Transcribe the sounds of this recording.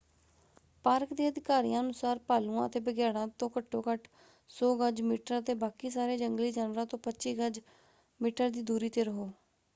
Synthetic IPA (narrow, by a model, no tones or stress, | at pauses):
paːɾkd̪eːəd̪ɪkaːɾḭjãːənʊsaːɾpaːlũːãːət̪eːbəɡjaːɽãːt̪õːkəʈʰːoːkəʈ | soːɡəd͡ʒmiːʈəɾət̪eːbaːkiːsaːɾeːd͡ʒəŋɡliːd͡ʒaːnʋəɾãːt̪õːpətːʃiːɡəd͡ʒ | miːʈəɾd̪iːd̪uːɾiːt̪eːɾəɦoː